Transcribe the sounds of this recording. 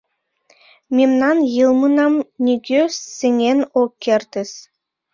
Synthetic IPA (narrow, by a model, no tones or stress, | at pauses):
mʲemnɑnjɯlˠmɤnɑmnʲiɡʲøseŋʲenokʲʰːerʲt̪ʲɘ̆s